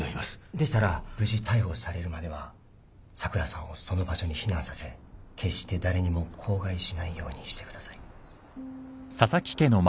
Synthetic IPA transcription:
oimasd̪e̞si̥t̪aɾab̥ɯ̟ʑit̪ʰaiho̞saɾe̞ɾɯ̟mad̪e̞βa | sakɯ̟ɾasãoso̞no̞baɕo̞ɲ̟içinãsase̞kʰe̞ɕt̪e̞d̪aɾe̞ɲ̟imo̞kʰo̞ːɡaiɕinaijo̞̰ːɲ̟iɕi̥t̪e̞kɯ̟d̪asai̥ | sasakʲi̥ke̞no̞m

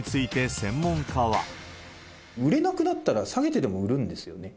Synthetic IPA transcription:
it͡sɨit̪e̞sẽ̞mːõ̞ŋkʰaβa̰ | ɯ̟ɾe̞nakɯ̟nat̪ːaɾasaɡe̞t̪e̞d̪e̞mo̞ɯ̟ɾɯ̟̃nd̪e̞sɨjo̞̰ne̞

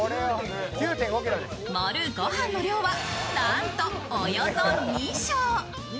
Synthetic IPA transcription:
oɾejo | kʲɨːt̪ẽŋɡokʲiɾod̪esmoɾɯɡohãnːoɾʲjoːβanant̪oŋojonomʲiɕoː

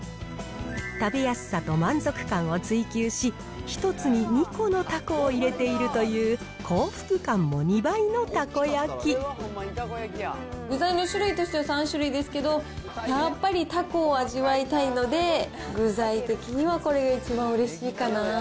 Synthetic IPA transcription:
t̪abejasɨ̥sːat̪o̞mãnd͡zo̞kɯ̟̥kãɰ̃o̞t͡sɨikʲɨːɕi | çi̥t̪o̞t͡sɨɲ̟iɲ̟iko̞no̞t̪akoːiɾe̞t̪e̞iɾɯ̟t̪o̞jɯː | kʰo̞ːɸɯ̟̥kɯ̟kãmːo̞ɲ̟ibaino̞t̪ako̞jakʲi | ɡɯ̟zainoɕɨɾɯ̟it̪o̞ɕi̥t̪easãɰ̃ɕɨɾɯ̟id̪e̞sɨ̥ke̞d̪o̞japːaɾʲit̪akoːaʑiβait̪aino̞d̪e̞ | ɡɯ̟zait̪e̞kʲiɲ̟iβako̞ɾe̞ɡait͡ɕibãɰ̃ɯ̟ɾe̞ɕiːkana

